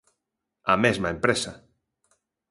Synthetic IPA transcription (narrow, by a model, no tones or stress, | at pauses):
a̰mezmaempɾesa